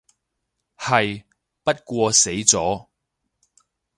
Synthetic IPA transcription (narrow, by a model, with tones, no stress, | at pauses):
hɐ˨j | pɐ˥t̚kʷɔː˧se˨˥jt͡sɔː˨˥